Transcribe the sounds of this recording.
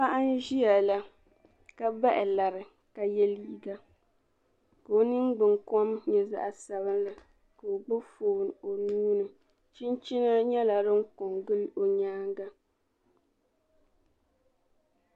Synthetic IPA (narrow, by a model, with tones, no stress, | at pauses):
pa˦ʔa˦n˦ʒi˦a˨la˦ | ka˦ba˦ʔɪ˨la˨ɾɨ˨ | ka˨jɛ˦liː˦ɡa˦ | ka˨o˦nɨ˦ŋ˦ɡ͡bɨ˨ŋkɔ˦mɲɛ˨za̰˦ʔa˨sa˨βɨ˦nla˨ | ka˨o˨ɡ͡bɔ˦foː˨n˨o˨nuː˦nɨ˨ | t͡ʃi˦nt͡ʃi˦na˦ɲɛ˦la˨ɾɨ˦ŋ˦ko˨ŋɡɨ˦lo˨ɲaː˦ŋɡa˦